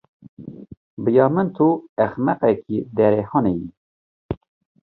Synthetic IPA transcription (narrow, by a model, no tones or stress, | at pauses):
bɨjɑːmɨnt̪ʰuɛxmɛqɛkid̪ɛɾehɑnejḭ